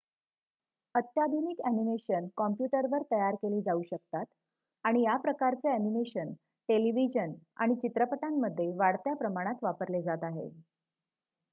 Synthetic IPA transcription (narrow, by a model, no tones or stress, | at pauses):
ət̪jad̪ʱuniːkænimeɕənkɔmpjuʈəɾʋəɾt̪əjaɾkeliːd͡zauɕək̚t̪at̪ | aɽ̃ijapɾəkaɾt͡seænimeɕən | ʈeliʋid͡ʑəna̰ɽ̃it͡ɕit̪ɾəpət̪amːəd̪ʱːjeʋaɽt̪japɾəmaɽ̃at̪ʋapəɾled͡zat̪aɦḛ